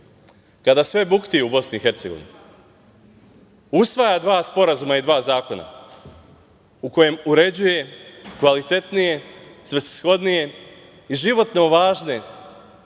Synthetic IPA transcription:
kad̪asʋe̞bukt̪ijubo̞snixe̞ɾt̪seɡoʋḭn | usʋajad̪ʋaːspo̞ɾazumaid̪ʋaːzaːko̞na̰ | uko̞je̞muɾe̞d͡ʑuje̞kʋalit̪e̞t̪nije̞sʋesi̥sxo̞d̪nije̞ | iʒiʋo̞t̪noʋaːʒne̞

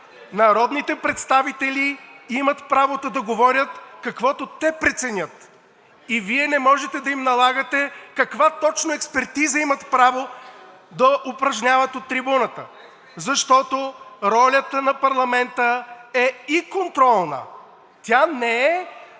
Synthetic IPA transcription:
nɐɾɔd̪nit̪ɛpɾɛt̪st̪avit̪ɛlʲiimət̪pɾavot̪ɐd̪ɐɡovɔɾʲət̪kɐkvɔt̪ot̪ɛpɾɛt̪sɛnʲət̪ | iviɛnɛmɔʒɛt̪ɛd̪ɐimnɐlˠaɡət̪ɛkɐkvat̪ɔt͡ʃnoɛkspɛɾt̪izəimɐt̪pɾavo | d̪ɐʔopɾɐʒnʲavət̪ot̪ːɾibunət̪ə | zɐʃt̪ɔt̪oɾɔlʲət̪ənɐpɐɾlˠɐmɛnt̪əɛikont̪ɾɔlˠnə̰ | t̪ʲanɛɛ

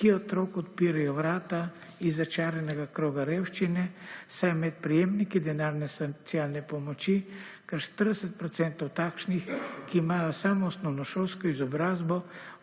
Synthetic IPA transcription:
kiot̪ɾokot̪piɾajɔvɾat̪a | izɐt͡ʃaɾɛnɛɡakɾoɡaɾɛwʃt͡ʃinɛsajmɛt̪̚pɾijemnikid̪ɛnaɾnɛsot̪sialnɛpomot͡ʃikaɾʃt̪əɾd̪ɛsɛt̪̚pɾɔt̪sɛnt̪ɔwt̪akʃnixkiːmajɔsamɔːsnɔwnɔʃɔlskɔizɔbɾazbɔ

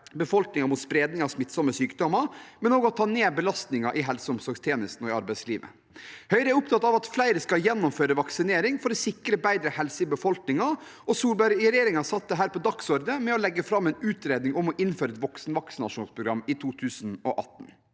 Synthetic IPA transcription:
bəfɔlknɪŋɑɾmʊt̪spɾeːd̪nɪŋɑʋsmɪt̪ːsɔmːəsyːkd̪ɔmːɑmɛnoːɡəɔt̪ʰɑːneːbəlɑst̪nɪŋɑʔɪɦɛlsəʊmsɔɾɡst̪ʰeːnɪst̪n̩ɔɪɑɾbæɪsliːʋə̰ | hœʏɾəæɾʊpt̪ʰɑt̪ːɑʋɑt̪flæɪɾəskɑjɛnːɔmføːɾəʋɑksɪneːɾɪŋfɔɾɔsɪkɾəbæɪd̪ɾəhɛlsəɪbəfɔlknɪŋɑɔsuːlbæɾɾjeːɾɪŋɑsɑt̪ːəɦæːɾpɔd̪ɑksɔɾd̪əmɛɔlɛɡːəfɾɑmːɛɪnʉːt̪ɾeːd̪nɪŋɔmɔʔɪnːføːɾəɛt̪ʋɔksn̩ʋɑksn̩ɑ̰ʂuːnspʰɾʊɡɾɑmːɪt̪ʰuːt̪ʰʉːsn̩ɔʔɑ̰t̪ːn̩

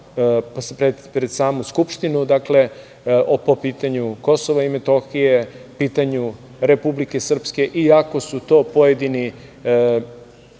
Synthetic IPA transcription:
pɾed̪pɾed̪saːmuskupʃt̪inud̪akle̞ | ʔopo̞piːt̪aɲuko̞soʋaimet̪o̞xije̞piːt̪aɲu | ɾe̞publike̞sr̩pske̞ʔiako̞sut̪o̞ːpo̞jed̪ini

